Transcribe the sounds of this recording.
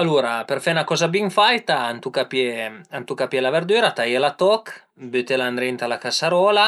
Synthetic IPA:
aluːɾapɛrfɛnakɔːzabiŋfajt̪aːnt̪ukapjɛant̪ukapjɛlavɛrd̪yːɾat̪ajɛlat̪ɔk | bøt̪ɛland̪ɾɛnt̪alakasaɾɔːla

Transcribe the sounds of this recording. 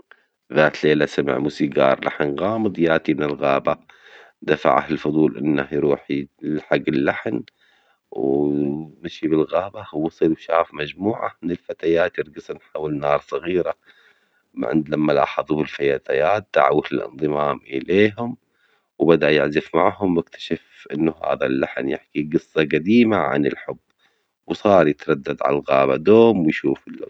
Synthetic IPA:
ðaːt̪leːlasamɪ̰ʕmuːsiɡɑ̰ːɾˤlʔa̰ħnɣaːmɨd̪ˤjaːt̪imɪnɪlɣaːba | d̪afa̰ʕa̰hɪlfʊd̪ˤuːlʔɪ̰nːahjɾuːħilħaɡːɪlːaħn | w | mɪʃibɪlɣaːbawɑsˤɨlwʃaːfmad͡ʒmuːʕa̰mɪnɪlfat̪ajaːt̪jɪɾɡɨsˤnħaːwɪlnɑːɾˤsˤɑɣiːɾa | m̰ʕɪ̰nd̪lamːalɑ̰ːħɑðˤubɪlfajaːt̪ajaːt̪̚d̪̥aʕa̰wːat̪ɪlɪ̰nðˤɨmaːmʔɪ̰leːɦʊm | wbad̪aʔjɪʕzɪfmaʕhʊmwɪkt̪ʰḁʃafʔɪnːʊha̰ːða̰lːaħnjɪħkiɡɨsˤːɑɡad̪iːmaʕa̰nɪ̰lħʊbː | wsˤɑːɾˤjɪt̪ɾˤɑd̪ːad̪ʕa̰lalɣa̰ːba̰d̪oːmwɪjʃuːfɪlː

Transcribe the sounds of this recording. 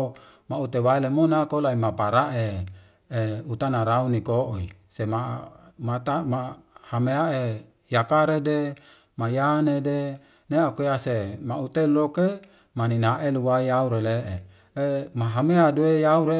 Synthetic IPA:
maut̪ewaelemonakolaimapaɾaʔe | eut̪anaɾaunikoʔoḭsemamat̪amahameae | jakaɾede | majanede | neakoasemaut̪eloke | maninaʔeluwaijauɾeleʔe | emaɦameaduejauɾe

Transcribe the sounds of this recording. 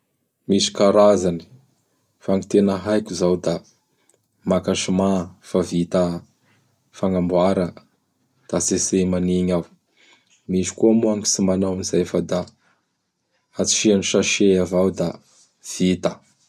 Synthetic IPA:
misi̥kaɾazani̥ | faŋit̪enəɦajkʲuzawd̪a | makaʃimafavit̪a | faŋambwaɾə | d̪̥asesemaniɲaw | misi̥kuamuaŋi̥simanawamizafad̪a | at͡si̥ʃianiʃaʃeavawd̪a | v̥it̪ə

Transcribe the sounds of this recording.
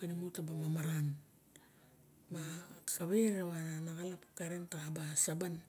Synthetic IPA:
enimutabamamaɾan | masaβeɾaβananaɡalapkaɾentabasaban

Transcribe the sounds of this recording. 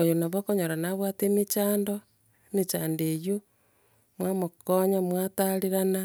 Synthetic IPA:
ojonaβokoɲoɾanaβwatemit͡ʃaːndo | net͡ʃaːndejo | mwamokoɲamwataɾiɾana

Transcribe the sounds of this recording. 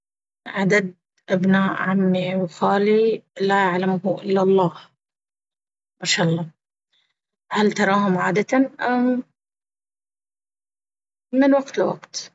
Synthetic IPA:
ʕad̪ad̪̚ | ʔabnaːʔʕamːiwxaːlilajaʕlamhuʔɪlːalˤːɑːh | maʃaːʔɑlˤːɑː | halt̪ɑɾˤɑːɦʊmʕaːd̪at̪aʔam | ɪnwaɡt̪lwa̰qt̪

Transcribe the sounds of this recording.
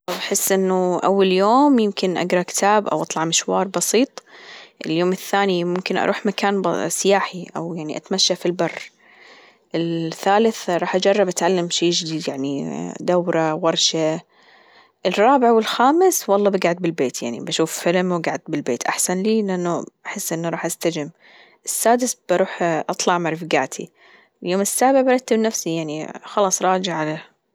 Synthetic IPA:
bħɪsːʔɪnːʊʔa̰wːaljoːmjɪmkɪnʔa̰ɡɾˤɑkɪ̥t̪ʰaːbʔa̰wʔɑt̪ˤlɑʕmɪʃwɑːɾˤbɑsiːt̪ˤʔɪljoːmɪθːaːnimʊmkɪnʔɑ̰ɾuːħmakaːnbsɪjaːħiʔa̰wjaʕniʔat̪maʃːafilbɑrˤː | ʔɪlθːaːlɪθɾˤɑːħʔad͡ʒɑrˤːɑbʔat̪ʕalːamʃaːʒɪd̪iːd̪jaʕnid̪awɾˤɑwɑɾˤʃa | ʔɪrˤːɑːbɪʕwɪlxaːmɪswɑlˤːɑːbaɡaʕɪd̪̚bɪlbeːt̪ja̰ʕnḭbaʃuːffɪlmwɪɡaʕd̪̚bɪlbeːt̪ʔaħsanliːlɪʔanːuʔaħɪsːʔɪnːuɾˤɑːħʔast̪ad͡ʒɪm | ʔɪsːaːd̪ɪsb̥ɑɾˤuːħʔɑt̪ˤlɑʕmaɾˤfɡa̰ːt̪ʰḭ | ljoːmɪsːaːbɪʕbɑɾˤɑt̪ːabnafsijaʕnixɑlɑːsˤɾˤɑːd͡ʒɪʕʕale

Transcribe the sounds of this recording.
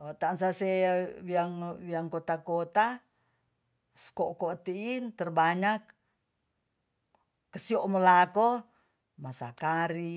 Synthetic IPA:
ot̪ansasewiaŋwiaŋkot̪akot̪a | skokot̪iint̪ərbaɲak | əsioʔmolako | masa̰kaɾi

